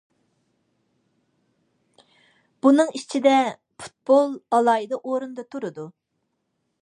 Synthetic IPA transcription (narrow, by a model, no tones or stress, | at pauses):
b̥unɨŋit͡ʃʰid̪ɛ | pʰu̥t̪̚b̥olˠɑlˠɑːjid̪ɑʔoɾund̪ɑt̪ʰuɾud̪u